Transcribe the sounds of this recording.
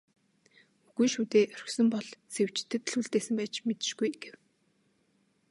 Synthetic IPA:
uɣɘ̆nʃuːt̪eːʔœr̆xsɵ̆mpɔɮsew̥t͡ɕt̪ʰːɘ̆t̪̆ɮuɮt̪eːsɘ̆mpæːt͡ɕmet̪ɘ̆ʃɡujɡ̥ew

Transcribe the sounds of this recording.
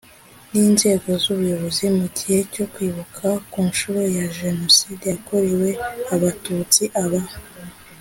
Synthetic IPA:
niːnze̞ːɡo̞zuβujo̞βo̞zimucije̞co̞kwiːβukʰakuːnʃuːɾe̞jaʒe̞no̞sidejakoɾiwe̞aβatut͡siʔaβa

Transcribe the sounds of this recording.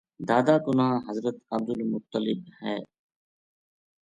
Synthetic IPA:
d̪aːd̪aːkʊnaaɦəzɾət̪əb̚d̪ʊlmʊt̪ːəlɪbhɛː

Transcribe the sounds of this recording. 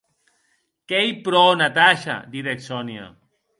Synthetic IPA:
kɛijpɾɔnat̪aʃa̰d̪iɾeksɔnja̰

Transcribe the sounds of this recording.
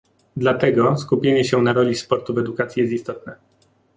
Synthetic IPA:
d̪lat̪ɛɡɔskupʲjeɲɛɕɛnaɾɔlʲispɔɾt̪uvɛd̪ukat̪sʲjijɛst̪ist̪ɔt̪̚nɛ

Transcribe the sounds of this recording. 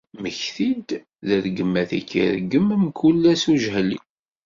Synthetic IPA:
məçθid̪ | ðəɾɡəmːæθækːḭɾɡəmmkʰulːæsuʒɦlḭ

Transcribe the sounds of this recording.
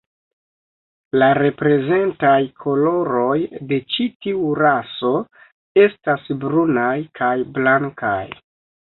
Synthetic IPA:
laɾe̞pɾe̞ze̞ntajkʰo̞lo̞ɾo̞jde̞t͡ʃitiuɾaso̞ | e̞stasbɾunajkʰajblaŋka̰j

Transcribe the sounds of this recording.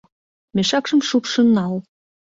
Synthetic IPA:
meʃɑkʃə̆mʃupʃə̆nːɑl

